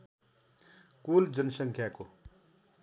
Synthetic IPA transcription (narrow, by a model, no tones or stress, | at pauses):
kuːld͡ʒənsəŋkʰjako